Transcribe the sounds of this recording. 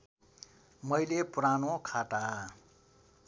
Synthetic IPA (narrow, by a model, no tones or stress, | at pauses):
mʌjlepuɾanokʰaʈa